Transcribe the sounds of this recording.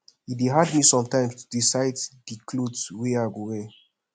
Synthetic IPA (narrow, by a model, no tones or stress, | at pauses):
ideɦadmisɔ̃mtãɪ̃mstʰu̥disaɪddikʰloweaɡowe